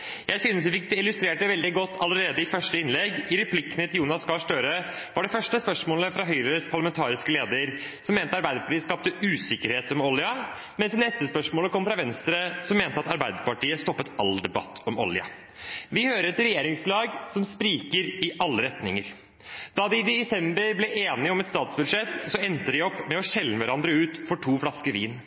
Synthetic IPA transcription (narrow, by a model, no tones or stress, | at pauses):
jʔæɪsyːnəsʋɪfɪk̚ːd̪ɪlʉst̪ɾeːʈɖəʋɛld̪ɪɡɔt̪ːɑləɾeːd̪əɪfœʂʈəɪnlɛɡɪɾɛpʰlɪkːənət̪ɪjuːnɑskɑːʂʈøːɾə | ʋɑɖɛfœʂʈəspœʂmoːləfɾɑɦœʏɾəɾəspʰɑɭɑmɛnt̪ʰɑːɾɪskəleːd̪əɾ | sɔmːeːnt̪əɑɾbæɪd̪əɾpɑ̥ʈiːəskɑːp̚t̪əʔʉːsɪkːəɾheːt̪ɔmɔlɪɑ | mɛnsnɛst̪əspœʂmoːləkʰɔmːfɾɑʋɛnst̪ɾəsɔmːeːnt̪əɑt̪ɑɾbæɪd̪əpɑʈiːəst̪ɔpːət̪ɑld̪ɛbɑ̰t̪ʰːɔmɔ̰lɪɑ̰ | ʋɪhøːɾəɾɛt̪ɾɛjeːɾɪŋslɑːɡsɔmspɾiːkəɾɪʔɑlːəɾɛt̪nɪŋəɾ | d̪̥ɑd̪ɪd̪ɛɛsɛmbəɾblɛʔeːnɪɔmɛt̪st̪ɑːt̪sbʉd̪ʂɛt̪ːsɔɛnt̪əd̪ɪɔpːmɛɔɕɛlːəʋæɾɑnd̪ɾəʉːt̪fɔʈʰuːflɑskəʋiːn